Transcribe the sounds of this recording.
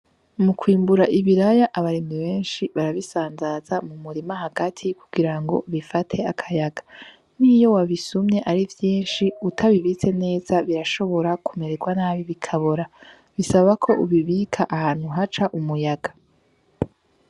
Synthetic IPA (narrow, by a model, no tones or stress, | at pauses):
mukʰwiːmbuɾaʔiβiɾajaʔaβaɾimiβe̞ːnʃiβaɾaβisaːnzazamumuɾimaɦaɡatʰikuɡ̥iɾaŋɡo̞̰βifatʰe̞akʰajaɡḁ | niːjo̞waβisumɲe̞ʔaɾivjiːnʃiutʰaβiβit͡se̞ne̞ːzaβiɾaʃo̞βo̞ɾakume̞ɾeɡwanaːβiβikʰaβoɾa | βisaβakʰo̞ʔuβiβiːkʰaʔahaːn̥huɦat͡ʃaʔumujaɡa